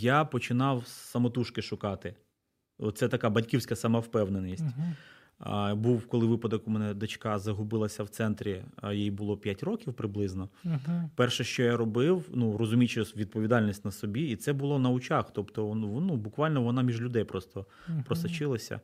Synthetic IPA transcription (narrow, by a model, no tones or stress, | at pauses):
japɔt͡ʃɪnɑwsɐmɔt̪uʃkɪʃʊkɑt̪ɪ | ɔt̪sɛt̪ɐkɑbɐtʲkʲiwsʲkɐsɑmɑwpɛwnenʲisʲtʲ | buwkɔlˠɪʋɪpɐd̪ɔkumɛnɛd̪ɐt͡ʃkɑzɐɦʊbɪlˠɐsʲɐwt̪sɛnt̪ɾʲijijbʊlˠɔpʲjatʲrɔkʲiwpɾɪblˠɪznɔpɛrʃɛʃt͡ʃɔjaɾɔbɪwnuɾɔzʊmʲit͡ʃɛʋʲid̪̚pɔʋʲid̪ɑlʲnʲisʲtʲnɐsɔbʲiit̪sɛbʊlˠɔnɐʊt͡ʃɑxt̪ɔpt̪ɔnubʊkʋɑlʲnɔʋɔnɑmʲiʒlʲʊd̪ɛjpɾɔst̪ɔ | pɾɔsɐt͡ʃɪlˠɐsʲɐ̰